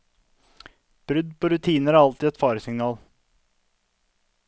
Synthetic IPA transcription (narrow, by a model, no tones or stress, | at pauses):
b̥ɾʉd̪pʰoːɾʉt̪ʰiːnəɾæɾɑlt̪iɛt̪fɑːɾəsɪŋnɑːl